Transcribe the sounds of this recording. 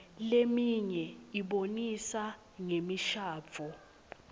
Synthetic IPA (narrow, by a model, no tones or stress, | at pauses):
lemiɲɛiɓonisa | ŋemiʃaːb̪fɔ